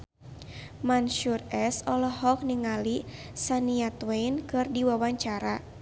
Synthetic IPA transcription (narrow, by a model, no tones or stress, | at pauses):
manʃurɛsɔlɔhɔk̚niŋali | saniat̪weinkɨrdiwawaɲt͡ʃaɾa